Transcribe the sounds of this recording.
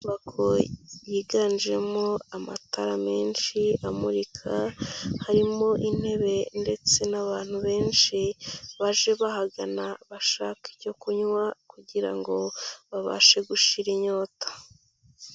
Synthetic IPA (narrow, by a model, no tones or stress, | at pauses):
uβakʰo̞jiːɡane̞moama̰taɾame̞ːnʃiamuɾikʰahaɾimo̞ʔin̥he̞βe̞nde̞t͡se̞naβaːn̥huβe̞ːnʃiβaʒe̞βaɦaɡanaβaʃaːkiɟo̞kuɲwakuɟiɾa̰ŋɡo̞βaβa̰ʃe̞ɡuʃiɾiɲo̞ːtḁ